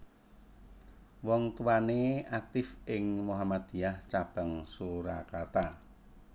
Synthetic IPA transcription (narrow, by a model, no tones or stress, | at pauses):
wɔŋt̪uwaneak̚t̪ɪfɪŋmoɦamad̪̥ijaht͡ʃab̥aŋsuɾakart̪a